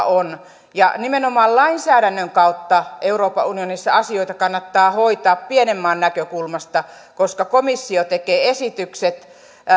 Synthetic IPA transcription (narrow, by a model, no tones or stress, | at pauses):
on | jɑ̰nimenomɑːllɑinsæːɾænːøŋkɑut̪ːɑeuroːpɑunionisːɑ̰ɑsioit̪ɑkɑnːɑt̪ːɑːhoit̪ɑːppienemːɑːnnækøkulmɑst̪ɑ | koskɑkomisːiot̪ekeːesit̪ykset̪